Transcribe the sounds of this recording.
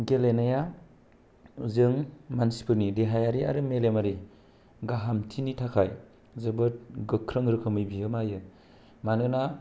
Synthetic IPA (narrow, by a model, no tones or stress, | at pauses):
ɡelenaja | zɯŋmansi̥pʰɯɾnideɦajaɾia̰ɾɯmelemaɾi | ɡaɦamtʰinitʰakʰaj | zɯbɯt̚ɡɯkʰɾɯŋɾɯkʰɯmɯjbijɯmajɯ | manɯna